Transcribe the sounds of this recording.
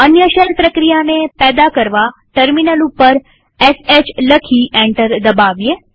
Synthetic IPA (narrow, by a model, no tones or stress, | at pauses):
ənjəʃənpɾəkɾijanepɛd̪akəɾʋaʈəɾminəlupːəɾ | ɛset͡ʃləkʰiɛ̃ɳʈəɾd̪əbaʋje